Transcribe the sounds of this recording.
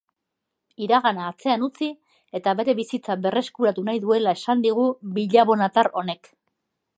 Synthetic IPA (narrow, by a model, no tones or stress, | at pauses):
iɾaɣanaːt͡se̞anut͡si | e̞t̪aβe̞ɾe̞βisit͡saβe̞re̞skuɾat̪unajðue̞lae̞sand̪iɣ̞ubiʎaβo̞nat̪aɾo̞ne̞k